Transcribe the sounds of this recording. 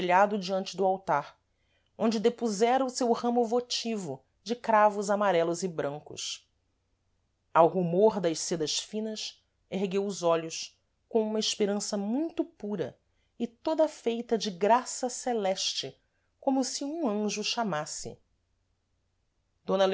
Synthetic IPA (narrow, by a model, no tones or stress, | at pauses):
ʎad̪ʊd͡ʒiɐ̃nt͡ʃɪd̪ʊawt̪aɾ | õnd͡ʒɪd̪epuzɛɾɐʊsewhɐ̃mʊvot͡ʃivʊ | d͡ʒɪkɾavʊzamaɾɛlʊzɪbɾɐ̃ŋkʊ̰ʃ | awɦumoɾd̪ɐʃsed̪ɐʃfĩnɐs | eɦɡewʊzɔʎʊs | kõũmɐɪʃpeɾɐ̃sɐmũj̃t̪ʊpuɾɐ̰ | ɪt̪od̪ɐfejt̪ɐd͡ʒɪɡɾasɐselɛʃt͡ʃɪ | kõmʊsɪũɐ̃ʒʊʃamasɪ̰ | d̪̥õnɐl